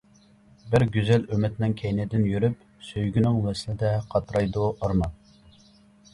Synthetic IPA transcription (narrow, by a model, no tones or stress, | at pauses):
bɪɾɡʲyzɛlømɪt̪nɪŋkʲʰɛjnɪd̪ɪnjyɾyp | søjɡʲynɪŋwɛslɪd̪ɛqʰɑt̪ɾɑjd̪uʔɑɾmɑ